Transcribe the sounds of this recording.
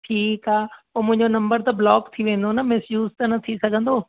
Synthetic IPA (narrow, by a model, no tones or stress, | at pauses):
ʈʰiːkaːoːmʊ̃ɦɪ̃ɲd͡ʑonɐ̃mbəɾt̪ɐblɔːkt̪ʰiʋẽːn̆d̪onɐmɪsjuːzt̪ɐnɐt̪ʰisɐɡʱə̃n̆d̪oː